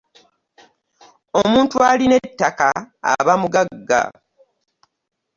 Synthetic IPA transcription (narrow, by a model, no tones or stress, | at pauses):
o̞muːntualine̞tːaka̰ːβamuɡaɡːa̰